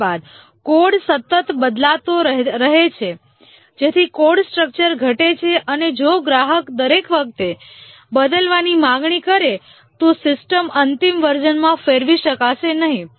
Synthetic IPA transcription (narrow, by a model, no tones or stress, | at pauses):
bad̪̚ | koɖsət̪ːət̪bəd̪lat̪oɾəɦet͡ʃʰe | d͡ʒet̪ʰikoɖsʈɾək̚t͡ʃəɾɡʱəʈet͡ʃʰeʔəned͡ʒoɡɾaɦəkd̪əɾekʋək̚t̪e | bəd̪əlʋanimãɡɳikəɾe | t̪osɪsʈəmənt̪imʋəɾd͡ʒənmãfeɾʋiʃəkaʃenəɦĩ